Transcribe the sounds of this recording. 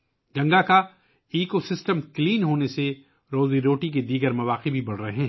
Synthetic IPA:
ɡɐ̃ŋɡaka | iːkosɪsʈəmkliːnɦoːnese | ɾoːziɾoːʈik̬ed̪iːɡəɾmɐʋaːqibʱibɐɽ̤ɾɐɦeɦɛ̃ː

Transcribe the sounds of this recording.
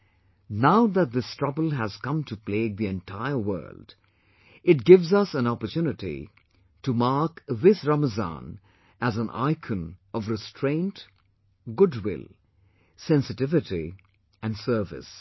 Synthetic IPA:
naʊðæt̚ðɪstɹ̥ʌbəl̩ˠɦæz̥kʌ̃mtʰupleːɡ̚ðiɛ̃ntʰaɪəwɜ̰˞ld | ɪt̚ɡɪvzʌsæ̃nɑpə˞tjunɨtḭ | tumaɹkðɪsɹaməzɑ̰̃n | æzə̃nʔa̰ɪkʰə̃nʌvɾɨstʰɹ̥ẽɪ̃nt | ɡʊdwɪ̰lˠ | sɛ̃nsɨtɪvɨti | æ̃nsɜ˞vɪ̰s

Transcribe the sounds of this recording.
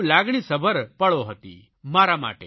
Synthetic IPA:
laɡɽ̃isəbʱəɾpəɭoɦət̪ḭ | maɾama̰ʈe

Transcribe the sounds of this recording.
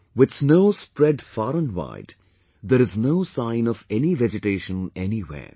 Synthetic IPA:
wɪd̪snoːspɾɛɖfaːɾə̃nwa̰ɪd | d̪əɾɪznoːsãɪ̃nɔvɛniʋɛd͡ʒɪʈeːʃə̃nɛniwḛː

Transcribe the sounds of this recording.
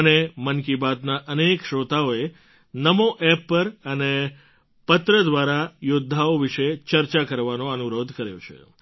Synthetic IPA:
ənemənkibat̪naʔənekʃɾot̪aoe | nəmoʔɛpːəɾəne | pət̪ɾəd̪ʋaɾajod̪ʱːaoʋiʃet͡ʃəɾt͡ʃakəɾʋanoənuɾod̪ʱkəɾjo̰t͡ʃʰḛ

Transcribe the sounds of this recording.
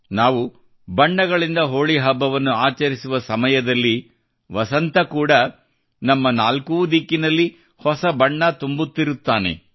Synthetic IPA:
naːʋu | bɐɳːɐɡɐɭind̪ɐɦoːɭiɦɐbːɐʋɐnːuaːt͡ʃɐɾisuʋɐsɐmɐjɐd̪ɐlːi | ʋɐsɐnt̪ɐkuːɽɐ | nɐmːɐnaːlkud̪ikːinɐlːi | hɔsɐbɐɳːɐt̪umbut̪ːiɾut̪ːaːnḛ

